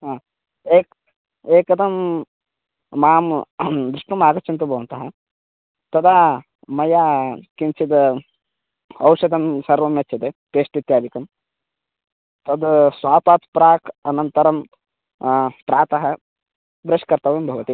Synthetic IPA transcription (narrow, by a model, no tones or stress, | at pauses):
ɦaː | eːk | eːkɐd̪ɐm | aːmd̪ɾɪʂʈɐmaːɡɐt͡ʃint̪ubʱɐʋɐnt̪ɐɦɐ | t̪ɐd̪aː | mɐjaːkint͡ʃid̪ɐ | ɐwʂɐd̪ɐmsɐɾʋɐmjɐt͡ʃːɐt̪et̪eːʂʈit̪jaːd̪ikɐm | t̪ɐd̪sʋaːpaːt̪pɾaːkɐnɐnt̪ɐɾɐm | pɾaːt̪ɐɦɐ | bɾɐʂkɐɾt̪ɐʋimbʱɐʋɐt̪i